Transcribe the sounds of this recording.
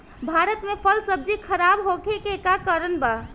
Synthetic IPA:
bʱaɾət̪mepʰəlsəb̚d͡ʒikʰəɾabɦokʰekeːkakəɾənba

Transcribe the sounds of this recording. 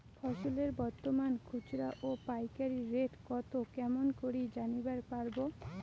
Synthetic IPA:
fʰɔʃoleɾbɔɾt̪omankʰut͡ɕɾaʔopajkaɾiɾeʈkɔt̪okɛmonkoɾid͡ʑanibaɾpaɾbo

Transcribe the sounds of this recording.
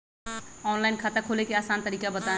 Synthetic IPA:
ɔːnlaːɪnkʰaːt̪akʰoːlekeaːsaːnt̪əɾiːkabɐt̪aː

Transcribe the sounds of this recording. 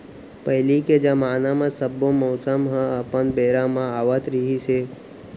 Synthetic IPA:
pəɦɪliked͡ʒamaːnamãsəbːõmoːsəmɦə̃əpənbeːɾãmãaːʋət̪ɾiɦise

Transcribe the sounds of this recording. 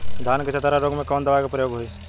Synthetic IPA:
d̪ʱaːnket͡ʃʰət̪aɾaɾoːɡmẽkoːnd̪əʋaːkapɾəjoːɡɦoiː

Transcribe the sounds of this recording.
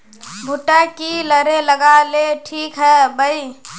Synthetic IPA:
bʱuʈakiləɾeləɡaleʈʰikɦɛːbəi

